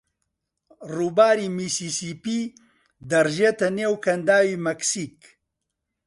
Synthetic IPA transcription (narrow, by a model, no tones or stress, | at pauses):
ruːbaːɾiːmiːsiːsiːpiː | d̪ɐɾʒeːt̪ɐneːwkʰɐnd̪aːwiːmɐksiːk